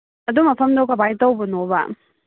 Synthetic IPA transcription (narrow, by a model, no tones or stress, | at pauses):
ɐdumɐpʰɐmdowkɐbajtɐwbɐnobɐ̰